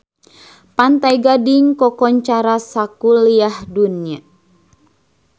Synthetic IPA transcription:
pant̪ajɡadiŋkɔkɔɲt͡ʃaɾasakuliahdunia

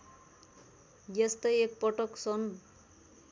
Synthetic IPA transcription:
jest̪ʌjek̚pʌʈʌksʌn

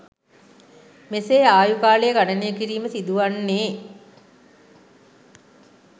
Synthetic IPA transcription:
meseːaːjukaːlejəɡaɖənejəkiɾiːməsid̪uʋanːeː

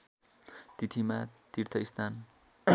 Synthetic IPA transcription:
t̪it̪ʰimat̪irt̪ʰʌist̪ʰan

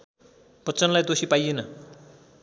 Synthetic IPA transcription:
pʌt͡sʌnlajd̪osipajenʌ

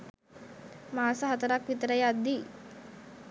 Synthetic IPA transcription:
maːsəɦɐt̪əɾakʋit̪əɾəjad̪ːi

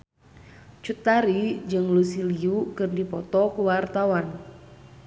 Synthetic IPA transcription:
t͡ʃut̪aɾid͡ʒɨŋlusiliukɨrdipɔt̪ɔkuwart̪awan

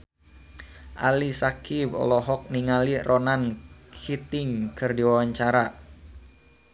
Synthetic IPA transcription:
ʔa̰lisakibɔ̰lɔɦɔk̚niŋalirʔɔnankʰit̪ɪŋkʰɨrdiwawaɲt͡ʃaɾa

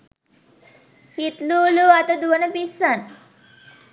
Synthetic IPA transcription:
hit̪luːluɐt̪ɐd̪uʋənɐpisən

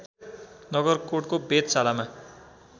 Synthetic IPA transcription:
nʌɡʌrkoʈkobet̪salama

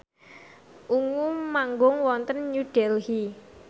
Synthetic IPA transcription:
ʔuŋumaŋɡʊŋwɔnt̪ənɲuɖ̥ɛlhi

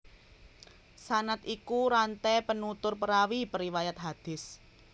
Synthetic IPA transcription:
sanat̪ikuɾant̪ɛpənut̪ʊrpəɾawipəɾiwajat̪̚ɦad̪̥ɪ̤s

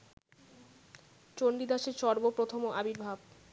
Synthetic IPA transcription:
t͡ɕoɳɖid̪aʃeɾʃɔɾbopɾot̪ʰomoʔabiɾbʱab̚

